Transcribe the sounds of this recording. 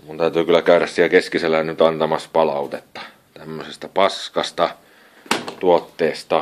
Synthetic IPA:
munt̪æˑyt̪yːkylːækæˑyɾæssiekeskiselːænyt̪ɑnt̪ɑmɑspɑlɑˑut̪et̪ːɑ̥ | t̪æmːøsest̪æpɑskɑst̪ɑ | t̪uot̪ːeːst̪ɑ

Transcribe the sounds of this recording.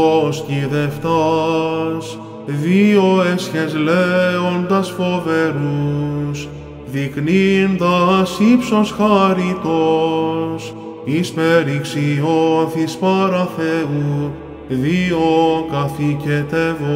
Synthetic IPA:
osciðeft̪ɐ | s | ðio̞esçezleond̪ɐsfo̞veɾus | ðiknind̪ɐsipso̞sxɐɾit̪o̞ | s | ispeɾiksioθispɐɾɐθeu | ðiokɐficet̪evo

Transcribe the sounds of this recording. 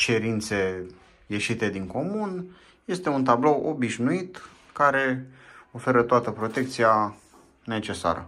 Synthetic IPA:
t͡ʃe̞ɾint̪se̞ | je̞ʃit̪e̞d̪iŋko̞mun | je̞st̪e̞unt̪ablo̞wʔo̞biʃnuit̪ | kaɾe̞o̞fe̞ɾət̪oat̪əpɾo̞t̪e̞k̚t̪sia | ne̞t͡ʃe̞sa̰ɾə̰

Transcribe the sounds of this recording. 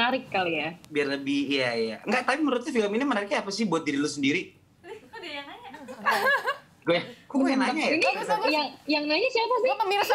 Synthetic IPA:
aɾɪkːalojabiarləbihijaja̰ŋɡaʔt̪apiməɾut̪afiləminimənaɾɪk̚ɲaapasɪhbuat̪̚diɾilusəndiɾi | naɲa | ɡoakuɡojanaɲajainisjaŋjaŋnaɲasiapasikəmiɾs

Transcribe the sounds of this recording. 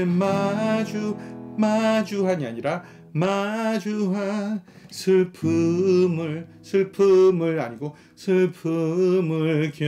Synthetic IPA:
ɯmad͡ʑumad͡ʑuɦaɲiaɲiɾa | mad͡ʑuɦa | sʰɯɭpʰɯmɯɭ | sʰɯɭpʰɯmɯɭaɲiɡo | sʰɯɭpʰɯmɯɭkjʌ

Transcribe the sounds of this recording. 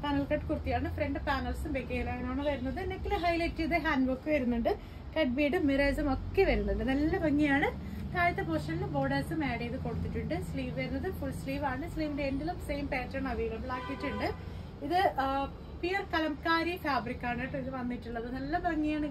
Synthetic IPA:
paːnɐlkɐʈːkurt̪ːijaːɳɨfreɳɖɨpaːnɐlsumʋeːkːeɐlaːɐnoːɳːɨʋɐɾunːɐðɨenekːilɨɦɐjletːijɐðɨɦaːnɖbokːeʋɐɾunːuɳɖɨ | kɐɖ̚biːɽɨmːireːsɐmo̞kːe̞ʋɐɾunːuɳɖɨnɐlːɐbʱɐŋːijaːɳɨ | kaːɻit̪ːɐpoːʂɐnlɨboːɽɐːsɨmeːɽejiðɨkoɽut̪ːiʈːuɳɖɨsliːʋʋɐɾunːɐðɨfuɭsliːʋaːɳɨsliːʋindeendilumsejmpeːʈrɐɳɐʋiːɡɐmbɭaːkːiʈːuɳɖɨ | iðɨ | pijɐrkɐlɐmkaːɾijɐfaːbɾikːaːɳɐʈːɨiðɨʋɐnːiʈːuɭːɐðɨnɐlːɐbʱɐŋːijaːɳɨ

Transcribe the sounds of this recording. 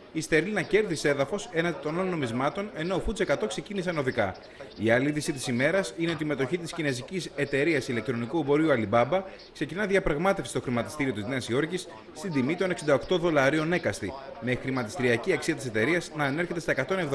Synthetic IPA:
ist̪eɾilinɐce̞ɾðise̞ðɐfo̞se̞nɐnd̪it̪o̞nɐlno̞mizmɐt̪o̞ne̞no̞ːfuisekɐt̪o̞kse̞cinisɐno̞ðikɐ | iɐliiðisit̪isime̞ɾɐsine̞o̞t̪ime̞t̪o̞çit̪iscine̞zicise̞t̪e̞ɾiɐsile̞k̚t̪ɾo̞nikuebo̞ɾiuɐlibɐbɐ | kse̞cinɐðiɐpɾɐɣmɐt̪efsi̥st̪oxɾimɐt̪i̥st̪iɾiot̪izneɐsio̞ɾcisː | t̪ind̪imit̪o̞neksind̪ɐo̞kt̪o̞ðo̞lɐɾio̞ne̞kɐst̪ime̞xɾimɐt̪i̥st̪iɾiɐciɐksiɐt̪ise̞t̪e̞ɾiɐsnɐːne̞ɾçe̞t̪et̪ɐekɐt̪o̞nev

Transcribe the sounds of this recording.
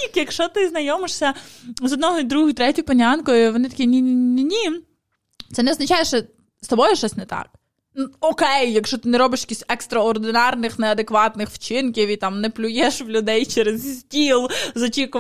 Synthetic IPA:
ikjɐkʃt͡ʃɔt̪ɪznɐjɔmɪʃsʲɐzɔd̪nɔɦɔid̪ɾuɦʊjʊt̪ɾɛtʲʊjʊpɐnʲankɔjʊʋɔnɪt̪ɐ̥kʲinʲinʲinʲnʲinʲi | t̪sɛnɛɔznɐt͡ʃɑjeʃt͡ʃɛ | st̪ɔbɔjʊʃt͡ʃɔsʲnɛt̪ɑ̰k̚ | nuɔkɛjːɐkʃɔt̪ɪnɛɾɔbɪʃjɐ̥kʲisʲtʲɛkst̪ɾɐɔrd̪ɪnɑrnɪxnɛɐd̪ekʋɑt̪nɪxwt͡ʃɪnkʲiwit̪ɑmnɛplʲʊjɛʃʋlʲʊd̪ɛjt͡ʃɛɾezsʲtʲilˠzɔt͡ʃikʊ

